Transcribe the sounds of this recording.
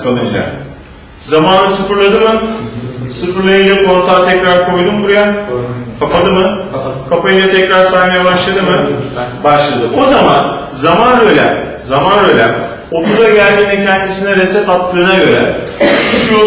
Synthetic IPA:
sanˠɯd͡ʒa̰ | zamaːnɯsɯfɯɾlˠad̪ɯmɯ | sɯfɯɾlˠajad͡ʒamko̞ɾt̪ʰaːt̪ʰɛcɾaɾkʰo̞jd̪umbuɾjakʰapad̪ɯmɯkʰapajɯnat̪ʰɛcɾaɾsajmajabaʃlˠad̪ɯmɯbaʃlˠad̪ɯʔo̞zama̰n | zamanøjlʲæ̰ | zamanøjlʲɛ̰m | op̪ʰuzaɟælʲminicʰɛnd͡ʒ̪isinɛɾesɛt̪at̪ʰːɯːnaɟø̞ɾɛ̰ | uʃujo

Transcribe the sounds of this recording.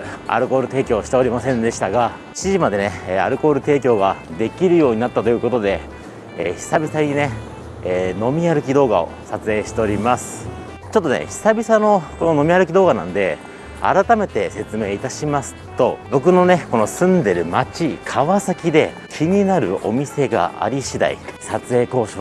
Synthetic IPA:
a̰ɾɯ̟ko̞ːɾɯ̟t̪e̞ːkʲo̞ːɕi̥t̪e̞o̞ɾʲimasẽ̞nd̪e̞ɕi̥t̪aɡa | ɕiʑimad̪e̞nea̰ɾɯ̟ko̞ːɾɯ̟t̪e̞ːkʲo̞ːɡad̪e̞kʲiɾɯ̟jo̞ːɲ̟inat̪ːat̪ojɯ̟ko̞t̪o̞d̪e̞̰ː | çi̥sabʲisaɲ̟ine̞ː | no̞mʲiaɾɯ̟kʲid̪o̞ːɡao̞̰sat͡sɨe̞ːɕi̥t̪e̞oɾʲimasɨ̥ | t͡ɕo̞t̪ːo̞nḛçi̥sabʲisano̞ko̞nono̞mʲiaɾɯ̟kʲid̪o̞ːɡanã̰nd̪e̞̰ | a̰ɾat̪ame̞t̪e̞se̞t͡sɨme̞ːit̪aɕimasɨ̥t̪o̞bo̞k̬ɯ̟no̞ne̞ko̞no̞sɨ̃nd̪e̞ɾɯ̟mat͡ɕikʰaβasakʲid̪e̞ | kʲʰiɲ̟inaɾɯ̟̰ʔo̞̰mʲise̞ɡa̰ʔa̰ɾʲiɕid̪a̰ḭsat͡sɨe̞ːko̞ːɕo̰

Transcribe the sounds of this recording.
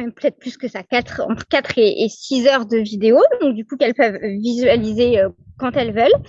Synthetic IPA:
mɛmpə̥t̪ɛt̪χplyskəsaːkat̪χɑ̰̃t̪χə̥kat̪χeʔesizœʁd̪əvid̪eod̪ɔ̃k̚d̪ykukɛlpœvːizɥalizeøkɑ̃t̪ɛlvœl

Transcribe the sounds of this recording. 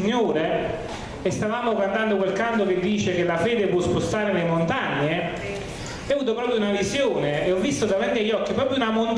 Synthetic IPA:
ɲːoːɾe | est̪avaːmokand̪and̪okwelkand̪ok̟ed̪ːiːt͡ʃekelafɛːd̪epwɔspost̪aːɾelemont̪aɲːe | ɛavuːt̪̬opɾɔːpɾjounavizjoːneːɔvːist̪od̪avant̪iaʎːɔkːipɾɔːpɾjunamont̪

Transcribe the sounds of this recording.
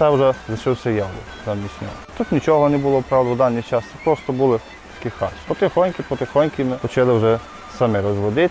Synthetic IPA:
t̪ɛwʒɛzɐt͡ʃɪwsʲɐjawlˠɔ̰ | zɐmʲisʲnʲɔ̰t̪ut̪nʲit͡ʃɔɦɔnɛbʊlˠɔpɾɑwd̪ɐwd̪ɑnʲːit͡ʃɑst̪ɛpɾɔst̪ɔbulˠɪ | t̪ɐ̥kʲixɑ̰t͡ʃpɔt̪ɪxɔnʲkʲɪpɔt̪ɪxɔnʲkʲɪmɪxɔt͡ʃɪlˠɪwʒɛ | sɐmɪɾɔzʋɔd̪ɪt̪

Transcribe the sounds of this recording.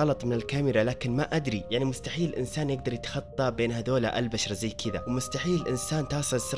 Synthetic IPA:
ɑlɑt̪ˤmɪnɪlkamɪɾalaːkɪnmaʔad̪ɾijaʕnimʊst̪aħiːlʔɪ̰nsaːnjɪɡ̚d̪ɑɾˤjɪt̪xɑt̪ˤːɑbeːnhad̪oːla̰ʔalbaʃɾˤɑzajːkʰɪðawmʊst̪aħiːlʔɪnsaːnt̪ɑːsˤɨlsɪɾ

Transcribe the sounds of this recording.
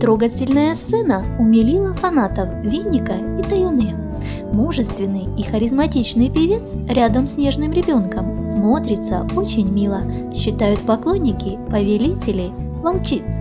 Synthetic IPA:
t̪ɾoɡətʲɪlʲnəjəst̪sɛnəʊmʲɪlʲilˠəfɐnat̪əfvʲinʲːɪkəit̪ɐjonɨj | muʐɨst̪vʲɪnːɨjixəɾʲɪzmɐtʲit͡ɕnɨjpʲɪvʲe̞t̪sɾʲad̪əmsʲnʲe̞ʐnɨmɾʲɪbʲo̞nkəmsmo̞t̪ɾʲɪt̪sə̰ot͡ɕɪnʲmʲilˠəɕːɪt̪ajʊt̪pɐklˠo̞nʲːɪkʲɪpəvʲɪlʲitʲɪlʲɪ | vɐlˠt͡ɕit̪s

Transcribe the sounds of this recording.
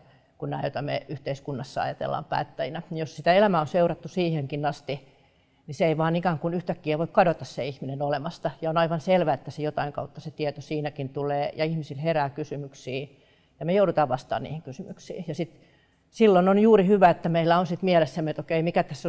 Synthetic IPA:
kunnæːjot̪ɑmḛyht̪eiskunːɑsːɑɑ̰jɑt̪ḛlːɑ̰ːmpæ̰ːt̪ːæjinænjossit̪æelæmæonseurɑt̪ːusiːheŋkinɑst̪i | niseeiʋɑːnikæːŋkunyht̪ækːiæʋoikkɑdot̪ɑsseihminenolemɑst̪ɑjɑonɑiʋɑnselʋæet̪ːæsejot̪ɑiŋkɑ̰ut̪ːɑset̪iet̪osiːnækint̪uleːjɑihmisilheræːkysymyksiː | jɑmejoudut̪ɑːʋʋɑst̪ɑ̰ːnnḭːhiŋkysymyksḭːjɑsit̪ | silːononjuːrihyʋæet̪ːæmeilːˑæonsit̪mielesːæmiet̪okeimikæt̪æsːo

